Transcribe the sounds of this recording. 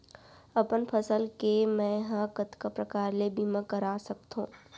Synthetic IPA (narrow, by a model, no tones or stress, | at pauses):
ɐpənpʰəsəlkemɛ̃ɦãkət̪kapɾɐkaːɾlebʱimãkɐɾaːsɐk̚t̪ɦṵ̃ː